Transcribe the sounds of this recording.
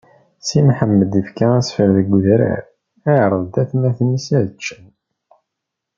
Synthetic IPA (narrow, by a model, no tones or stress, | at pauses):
simħəmːəd̪ifkææsfəɾðəɡʷːuðɾæ̰ɾ | æʕɾˤəðt̪æθnæθnisæðət͡ʃːən